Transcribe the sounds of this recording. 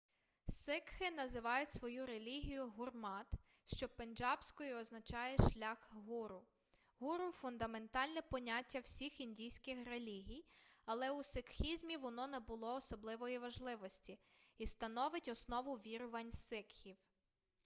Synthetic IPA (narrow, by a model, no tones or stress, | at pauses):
sɪkxɪnɐzɪʋɑjʊtʲsʋɔjuɾe̞lʲiɦʲijʊɦʊrmɑt̪ | ʃt͡ʃɔpenʲd͡ʒɑbsʲkɔjʊɔznɐt͡ʃɑjɛʃlʲaxɦuɾʊ | ɦuɾʊfʊnd̪ɐme̞nt̪ɑlʲnɛpɔnʲatʲːɐwsʲixinʲdʲijsʲkɪxrelʲiɦʲijɐlˠɛusɪkxʲizʲmʲiʋɔnɔnɛbʊlˠɔːsɔblˠɪʋɔjiʋɐʒlˠɪʋɔsʲtʲi | ist̪ɐnɔʋɪtʲɔsnɔʋʊʋʲiɾʊʋɐnʲsɪkxʲiw